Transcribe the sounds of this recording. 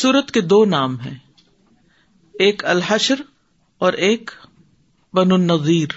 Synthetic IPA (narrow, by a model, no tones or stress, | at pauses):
suːɾət̪ked̪oːnaːmɦɛ̃ː | eːkɐlɦɐʃɾ | ɔːɾʔeːk | bɐnʊnːɐðiːɾ